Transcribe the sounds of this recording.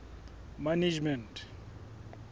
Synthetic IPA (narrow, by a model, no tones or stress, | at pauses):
manid͡ʒmɛntʰ